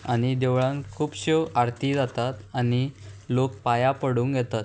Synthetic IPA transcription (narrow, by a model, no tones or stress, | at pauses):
añid̪eʋɭãŋkʰuːpɕeaɽt̪id͡zat̪at̪añilok̚pajapəɽuːŋɡjɛt̪at̪